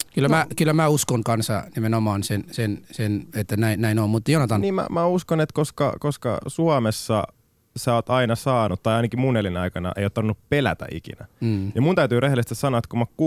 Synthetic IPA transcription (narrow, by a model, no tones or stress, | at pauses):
kylːæmækylːæmæuskoŋkɑnsɑ̰nimenomɑːnsensensenet̪ːænæinnæinommut̪ːjonot̪ɑnniːmmæ̰mæuskonet̪koskɑ̰koskɑ̰suɑmesːɑ̰ | sæːoːt̪ɑinɑsɑːnut̪t̪ːɑijɑˑinɑkimunelinɑikɑnɑ̰ʔḛijot̪ːɑʋnːuppelæ̰t̪æ̰ʔḭkḭnæːjɑmunt̪æyt̪yːrehelest̪æssɑnoɑːt̪kumːɑku